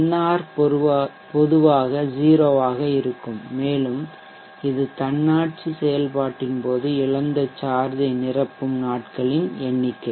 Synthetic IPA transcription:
nːaːɾ | pɔðɯʋaːɣɐd͡ʒiːɾoːʋaːɣɐɪɾɯkːɯmːeːlɯm | ɪðɯt̪ɐɳːaːʈ̚t͡ʃɯsɛjɐlpaːʈːɪnpoːðɯɪɭɐnd̪ɐt͡ʃaːɾðɐɪnɪrɐpːɯmnaːʈkɐɭɪnɛɳːɪkːɐɪ

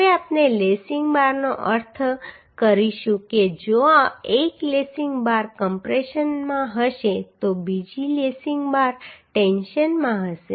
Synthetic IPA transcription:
ɦəʋeapnelesiŋɡbaɾnoʔəɾt̪ʰkəɾiʃũked͡ʒoaeklesiŋɡbaɾkəmpɾeʃənmãɦəʃet̪obid͡ʒilesiŋɡbaɾʈenʃənmãɦəʃe

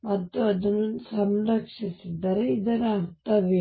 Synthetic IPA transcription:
mɐt̪ːuɐd̪ɐnːusɐmɾɐkʂisid̪ɐɾeid̪ɐɾaɾt̪ɐʋe

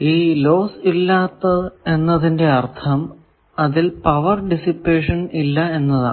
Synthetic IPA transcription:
iːlo̞ːsilːaːt̪ːɐe̞nːɐðinde̞ɐrt̪ʰɐm | ɐðilpɐʋɐrɖisipːe̞ːʂɐnilːɐe̞nːɐða̰

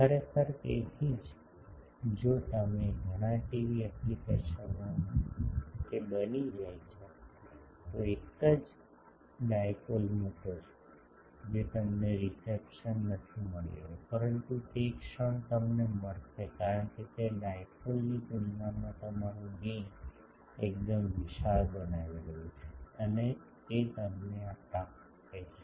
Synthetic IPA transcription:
kʰəɾekʰəɾkḛɦid͡ʒ | d͡ʒot̪əmeɡʱəɽ̃ãʈiʋiəklikəɾʃəaɦ | kebənid͡ʒajt͡ʃʰe | t̪oekəd͡ʒ | ɖajkolmoʈot͡ʃe̥ | d͡ʒet̪əmneɾisepʃənːət̪ʰiməɭḛɾopəɾənt̪utekʃəɳt̪əmneməɽtekaɾəɳket̪aɖajkolnikunjamãt̪əmaɾũɡĩ | ek̚d̪əmʋiʃaɾbənaʋiɾəjũt͡ʃʰeəne | t̪et̪əmneat̪a | t̪ʰet͡ʃʰe̥

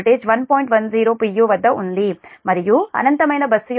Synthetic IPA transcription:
ʈeːd͡ʒʋɐnpoːjiɳʈʋɐnziːɾoːpijuːʋɐd̪ːɐʔund̪imɐɾijuɐ̰nɐnt̪ɐmɐjnɐbɐsːuj

